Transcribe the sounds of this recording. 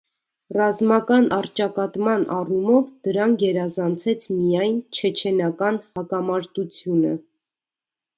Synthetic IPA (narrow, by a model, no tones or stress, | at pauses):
rɑzmɑkɑnʔɑrt͡ʃɑkɑt̪mɑnʔɑrumɔvd̪əɾɑŋkʰjɛɾɑzɑnt͡sʰɛt͡sʰmijɑjnt͡ʃʰɛt͡ʃʰɛnɑkɑnhɑkɑmɑɾt̪ut͡sʰjunə̰